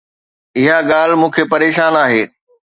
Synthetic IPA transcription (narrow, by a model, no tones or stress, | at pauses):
ɪɦaɠaːl̤mũːkʰepɐɾeːʃaːnaːɦeː